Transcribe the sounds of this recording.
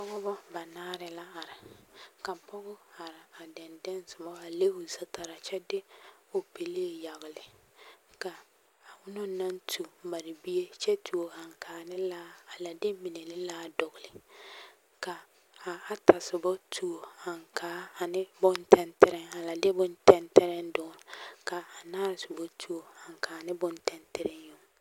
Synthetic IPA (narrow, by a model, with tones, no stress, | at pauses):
pɔ˦ɡɔ˦bɔ˦ba˨naː˦ɾɪ˨la˦a˨ɾɪ˨ka˨pɔ˦ɡɔ˦a˨ɾɪ˨a˨dɛ˨ndɛ˦n˦sʊ˨mɔ˦a˨le˦ʊ˨sa˦ta˨ɾa˨t͡ʃɛ˦dɪ˦o˨pe˨leː˦˨ja˨ɣɪ˨lɪ˨ | ka˨ | a˨ʊ˦no˦na˦n˦tʰu˨ba˨ɾɪ˨bi˦je˦t͡ʃɛ˦tu˨o˨a˨ŋkʰaː˨˦nɪ˦la˦a˨la˨dɪ˦mi˨ne˨lɪ˦laː˦dɔ˨ɡʊ˨lɪ˨ | ka˨ | a˨a˨ta˨sɪ˨bɔ˦tʰu˦o˨a˨ŋkʰaː˨˦a˨nɪ˦bʊ˦ntʰɛ˦ntɪ˦ɾɪ˦ŋa˨la˨dɪ˦bʊ˦ntɛ˦ntɛ˦ɾɪ˦ndʊ˦˨ɾka˨a˨naː˦˨sɪ˨bo˦tʰu˦o˨a˨ŋ˨kaː˨˦˨nɪ˦bʊ˦ntɛ˦ntɛ˦ɾɪ˦jʊ˦ŋ˨